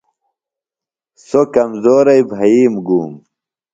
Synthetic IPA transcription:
sokɐmzoːɾɐjbʱɐiːmɡuːm

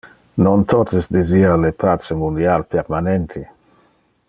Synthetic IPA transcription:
nont̪ot̪esd̪ezialepat͡semund̪jalpeɾmanent̪ʰi

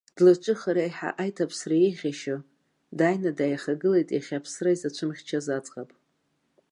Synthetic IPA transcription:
d̥lɨt͡ʃʷʼɨχaɾajħa̰ʔajtʰapʰsraiχʲaʃo | dajnadajaχaɡɨlejtʼiχʲapʰsraizat͡ʃʷʰɨmχʲt͡ʃʰazat͡sʼqapʼ

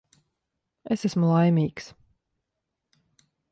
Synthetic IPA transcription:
esæsmulˠajmʲiːks

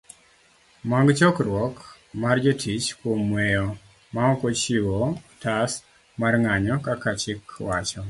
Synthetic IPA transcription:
maŋɡt͡ʃɔkrwɔk | mard͡ʒɔtʰit͡ʃkwomwɛjɔ | maɔkot͡ʃiwɔtas | marŋaɲɔkakat͡ʃɪkwat͡ʃɔ

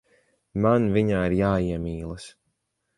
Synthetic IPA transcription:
manviɲaːiɾjaːiɛmiːlˠɐs

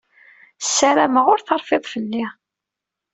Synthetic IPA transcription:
sːæɾæməʁʊɾθɑɾˤfeðˤfəlːi

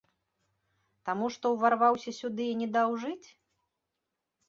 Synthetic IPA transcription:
t̪amuʂt̪ɔwvarvawsʲɐsʲud̪ɨinʲɛd̪awʐɨt͡sʲ

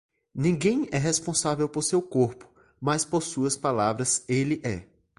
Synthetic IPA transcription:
nĩɡẽj̃ɛɦespõsavewpoɾsewkoɾpʊ̥ | mɐspoɾsuɐspalavɾɐselɪʔɛ

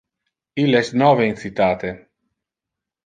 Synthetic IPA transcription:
ileɛsnɔveinsit̪aːt̪e

